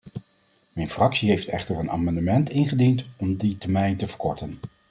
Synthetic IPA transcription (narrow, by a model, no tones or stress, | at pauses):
mɛjnfrɑksiɦejftɛ̰χtərəna̰ːmɑndəmɛntɪnχədintɔmditɛɹmɛjntəv̥əɹkɔɹtən